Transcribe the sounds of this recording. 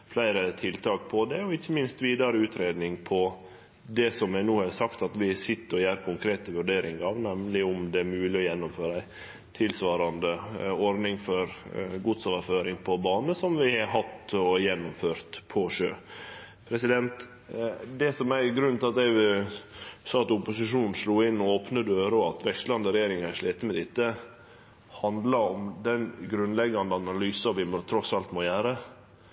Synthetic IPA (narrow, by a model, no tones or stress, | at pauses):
flæɪɾət̪ʰɪlt̪ʰɑːk̚pʰɔd̪ɛɔɪçːəmɪnst̪ʋiːd̪ɑɾəʉːt̪ʰɾeːd̪nɪŋpʰɔ | d̪ɛsɔmæɪnuːhɛsɑkt̪ɑt̪ʋɪsɪt̪ːəɔjæːɾkʰʊŋkʰɾeːt̪əʋʉɖeːɾɪŋɑʋnɛmlɪʊmd̪ɛːɾmʉːlɪɔjɛnːʊmføːɾəæɪ | t̪ʰɪlsʋɑːɾɑnd̪əɔɾnɪŋfɔɾɡud̪soːʋəɾføːɾɪŋpʰɔbɑːnəsɔmʋɪhɑɦɑt̪ɔjɛnːʊmføːɾt̪pʰɔʂøː | pʰɾɛsɪd̪ɛnt̪ | d̪ɛsɔmæɾɡɾʉnt̪ɪlɑt̪ɛɪʋɪ | sɑːɑt̪ʊpʊsɪʂuːnn̩sluːɪnːɔoːpnəd̪øːɾɔɑt̪ʋɛkst̪lɑnd̪əɾɛjeːɾɪŋɑʂleːt̪əmɛd̪ɪt̪ːə | hɑnd̪lɑɔmd̪ɛnɡɾʉnlɛɡːɑnd̪əɑnɑlyːsɑʋɪmt̪ʰɾɔsɑlt̪moːjæːɾə